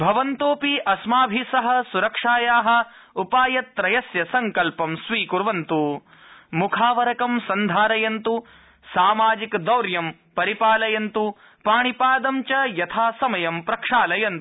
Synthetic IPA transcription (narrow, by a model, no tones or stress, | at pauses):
bʱɐʋɐnt̪oːpiʔɐsmaːbʱisɐɦɐ̆suɾɐkʂaːjaːɦɐ̆ | upaːjɐt̪ːɾɐjɐsjɐsɐŋkɐlpɐmsʋiːkuɾʋɐnt̪u | mukʰaːʋɐɾɐkɐmsɐnd̪ʱaːɾɐjɐnt̪u | saːmaːd͡ʒikd̪ɐwɾjɐm | pɐɾipaːlɐjɐnt̪u | paːɳipaːd̪ɐmt͡ʃɐjɐt̪ʰaːsɐmɐjɐmpɾɐkʂaːlɐjɐnt̪u